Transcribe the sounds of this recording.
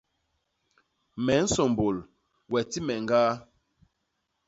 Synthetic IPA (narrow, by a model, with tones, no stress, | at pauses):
mɛ˨˦n̩˦sɔ˨m˨bo˨l | wɛ˨ti˦mɛ˨ŋɡaː˦